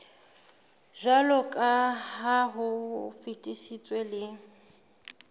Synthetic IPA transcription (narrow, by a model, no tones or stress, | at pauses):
ʒalɔkʼaɦaɦʊfitʼiʃit͡sʼwelɪ